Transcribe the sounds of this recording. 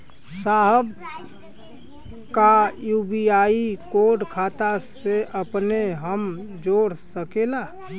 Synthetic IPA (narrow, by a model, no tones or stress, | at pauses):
saːɦəb | kajuːbiaːikoɖkʰaːt̪aseʔəpneɦəmd͡ʒoːɾsəkela